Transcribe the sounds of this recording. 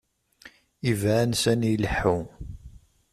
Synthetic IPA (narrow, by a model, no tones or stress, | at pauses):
ivʕænsænjiləħːu